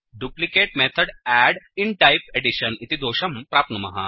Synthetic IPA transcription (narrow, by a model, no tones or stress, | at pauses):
ɖjuplikeːʈ̚met̪ʰəɽæɽiɳʈajpeɽiɕənit̪id̪oːɕɐmpɾaːp̪̚nəmɐ̰ɦa̰